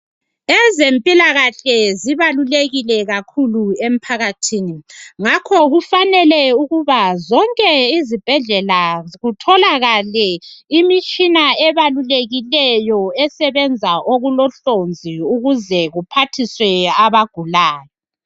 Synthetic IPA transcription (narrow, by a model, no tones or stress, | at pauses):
ɛzempʼilaɣaɬɛziβaluleɣilɛɣakʰuluem̩pʰaɣatʰiːniŋakʰɔɣufanɛlɛuɣuβazɔŋkʼɛizib̥ʱɛɮɛlaɣutʰɔlaɣalɛimit͡ʃʼinaɛβaluleɣilɛjɔɛsɛβɛnd͡zʱaʔoɣulɔɬond͡zʱiuɣuzɛɣupʰatʰiswɛaβaɡ̥ʱulaːjɔ